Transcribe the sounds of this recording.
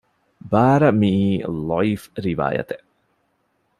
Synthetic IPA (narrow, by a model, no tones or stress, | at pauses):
baːɾɐmilifɾiʋa̰ːjɐ̰t̪e